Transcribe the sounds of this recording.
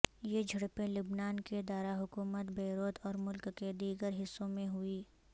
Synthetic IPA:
jed͡ʒʱɐɽpẽlʊbnaːnked̪aːɾaɦʊkuːmət̪beːɾoːt̪ɔːɾmʊlkːed̪iːɡəɾɦɪsːõmẽɦʊiː

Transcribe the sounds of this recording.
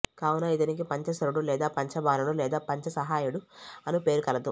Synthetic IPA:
kaːwunɐit̪ɐnik̬ipɐɲt͡ʃɐsɐɾuɽulɛːd̪aːpɐɲt͡ʃɐbaːnɐɽulɛːd̪aːpɐɲt͡ʃɐsɐɦaːjuɽuɐnupe̞ːɾukɐlɐd̪ṵ

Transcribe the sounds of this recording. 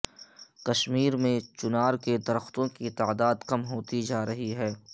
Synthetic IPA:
kɐʃmiːɾmẽt͡ʃʊnaːɾked̪ɐɾəxt̪õkit̪aːd̪aːd̪kɐmɦoːt̪id͡ʒaːɾɐɦiɦɛː

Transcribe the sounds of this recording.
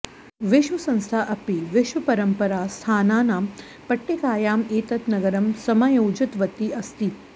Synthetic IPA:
ʋɪʃʋɐsɐ̃nst̪ʰaːʔɐpiʋɪʃʋɐpɐɾɐmpɐɾaːst̪ʰaːnaːnaːm | pɐʈːekaːjaːmeːt̪ɐt̪nɐɡɐɾɐmsɐmajowd͡ʒɐt̪ʋɐt̪iʔɐst̪it̪

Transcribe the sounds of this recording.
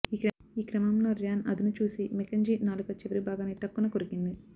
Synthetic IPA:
iːkɾɐ | iːkɾɐmɐmnɐɾjaːnɐ̰d̪inut͡ʃuːsimekɐɲd͡ʒiːnaːlukɐt͡ʃiʋɐɾibʱaːɡaːneːʈɐkːunɐkoɾikind̪i

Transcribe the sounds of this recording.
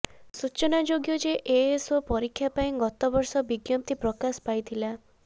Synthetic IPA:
sut͡ʃɔnad͡ʒoɡjɔd͡ʒeʔeesɔpɔɾikʰːjapaĩɡɔt̪ɔbɔɾsɔbiɡjɔp̚t̪ipɾɔkasɔ̥pajt̪ʰila

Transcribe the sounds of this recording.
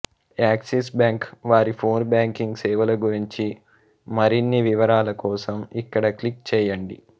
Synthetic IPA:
aːkses̬bjaːŋkʋaːɾipʰoːnbaːŋkiŋɡsɛːʋɐlɐɡuɾiɲt͡ʃi | mɐɾinːiʋiʋɐɾaːlɐkɔːsɐmikːɐɽɐklik̚t͡ʃɛːjɐɳɖḭ

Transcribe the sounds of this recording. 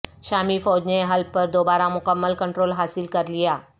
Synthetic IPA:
ɕamiːfəwd͡ʑneɦəlpəɾd̪obaɾamukəmːəlkəɳʈɾolɦasilkəɾlija

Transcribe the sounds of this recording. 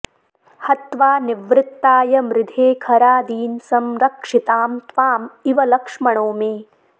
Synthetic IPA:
hɐt̪ʋaːniʋɾɪt̪ːaːjɐmɾɪd̪ʱeːkʰɐɾaːd̪iːnsɐmɾɐkʂit̪aːmt̪ʋaːmiʋɐlɐkʂmɐɳoːmeː

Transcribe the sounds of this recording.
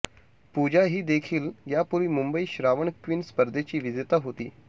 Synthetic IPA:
pud͡ʑaɦiːd̪ekʰiːljapuɾʋiːmumbəiːɕɾaʋəɳkʋiːnspəɾd̪ʱet͡ɕiːʋid͡zt̪aɦot̪iː

